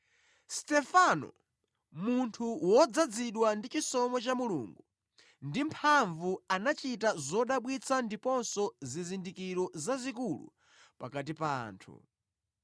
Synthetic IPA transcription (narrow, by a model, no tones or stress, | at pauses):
stɛfanɔ̰ | muntʰuwɔd͡zad͡ziɗwandit͡ʃisɔmɔt͡ʃamulṵŋɡu | ndimpʰaɱvuanat͡ʃitazɔɗaɓwit͡sʰandipɔnsɔzizindikiɾɔzazikulṵ | pakat̬ipaːntʰṵ